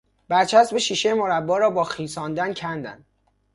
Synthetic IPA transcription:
b̥æɾt͡ʃʰæst̪beʃiːʃejemoɾæbːɒːɾɒːbɒːxiːsɒːnd̪æncʰænd̪æ̰nd̪̥

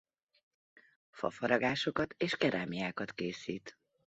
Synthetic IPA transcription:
fɒ̰fɒɾɒɡaːʃo̞kɒt̪eːʃkɛɾʔaːmiaːkɒt̪keːsiːt̪

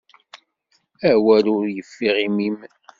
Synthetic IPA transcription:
æwælʊɾjəfːiʁimim

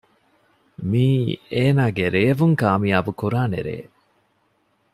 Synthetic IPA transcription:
miːeːnaːɡeɾeːʋuŋkaːmiabukuɾaːnḛɾḛː

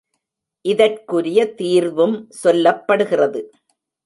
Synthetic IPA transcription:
ʔɪðɐrkɯɾɪjɐt̪iːɾʋɯmsɔlːɐpːɐɽɯɣɪrɐðɯ

